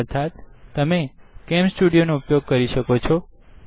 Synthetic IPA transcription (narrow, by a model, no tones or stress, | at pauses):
əɾt̪ʰat̪ːəmekɛmsʈuɽijonoupjoɡ̚kəɾiʃəkot͡ʃʰɔ